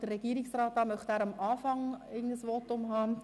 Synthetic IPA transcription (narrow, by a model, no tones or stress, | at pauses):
d̥ərɾɛɡ̥iəɾɪksrɑːtɑːmœχtæːɾɑmʔɑːfɑŋɪɡən̩dəsʋɔtʊmɦɑː